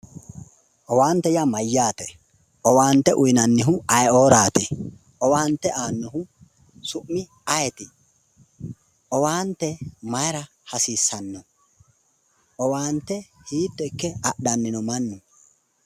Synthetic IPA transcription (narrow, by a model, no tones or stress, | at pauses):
ʔɔwaːnt̪ːɛjamɐjːaːt̪ɛ | ʔɔwaːnt̪ːɛʔʊjnɐnːɪɦʊɐjoːɾaːt̪ɛ | ʔɔwaːnt̪ːɛʔaːnːɔɦʊ | sʊʔːɪ | ɐjɛt̪ɪ | ʔɔwaːnt̪ːɛmɐjɛɾɐ | hɐsiːsːɐnːɔ | ʔɔwaːnt̪ːɛhiːt̪ːɔɪkːɛɐɗɐnːɪnɔmɐnːʊ